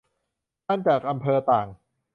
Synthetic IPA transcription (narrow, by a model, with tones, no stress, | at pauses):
a˥˩nt͡ɕaː˨˩k̚ʔa˧mpʰɤː˧t̪aː˨˩ŋ